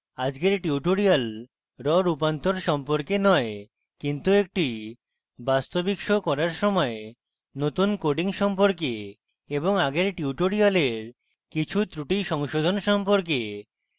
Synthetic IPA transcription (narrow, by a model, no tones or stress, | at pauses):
ad͡ʑɡeɾʈiuʈoɾial | ɾɔɾupant̪oɾʃɔmpoɾkenɔe | kint̪uek̚ʈi | bast̪obikʃokɔɾaɾʃɔmɔe | not̪unkoɖiŋʃɔmpoɾke | eboŋaɡeɾʈiuʈoɾialeɾ | kit͡ɕʰut̪ɾuʈiʃɔŋʃod̪ʱonʃɔmpoɾk̬e